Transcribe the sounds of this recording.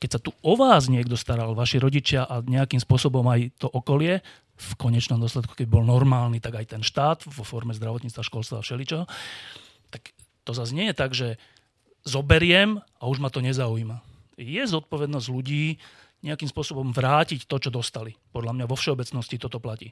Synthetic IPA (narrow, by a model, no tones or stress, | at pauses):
kɛcsat̪uʔɔʋaːzɲɪɛɡd̪ɔst̪aɾalʋaʃiɾɔɟit͡ʃɪaʔaɲɛakiːmspʊɔsɔbɔmajt̪ɔʔɔkɔlɪɛ | fkɔɲɛt͡ʃnɔmd̪ɔslɛt̪ku̥kɛbibɔlnɔɾmaːlnit̪aɡajt̪ɛnʃt̪aːt̪ʋɔfɔɾmɛzd̪ɾaʋɔt̪ɲiːt͡st̪ʋaʃkɔlst̪ʋaːfʃɛlit͡ʃɛɦɔ | t̪ak | t̪ɔzazɲɪɛjɛt̪aɡʒɛ | zɔbɛɾɪɛm | auʒmat̪ɔɲɛzaujmajɛzɔt̪̚pɔʋɛd̪nɔzɟluɟiː | ɲɛakimspʊɔsɔbɔmʋɾaːcict̪ɔt͡ʃɔd̪ɔst̪alipɔd̪lamɲaʋɔfʃɛɔbɛt͡snɔscit̪ɔt̪ɔplacḭː